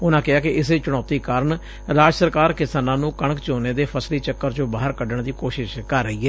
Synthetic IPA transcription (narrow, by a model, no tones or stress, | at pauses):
ʊnãːkɪaːkɪʔɪseːt͡ʃʊɽ̃aːt̪iːkaːɾəɳ | ɾaːd͡ʒsəɾkaːɾkɪsaːnãːnũːkəɳ̃əkt͡ʃoːneːd̪eːpʰəsliːt͡ʃəkːəɾd͡ʒõːbaːɦəɾkəɖəɳd̪iːkoːʃɪʃkəɾːəɦiːɦɛː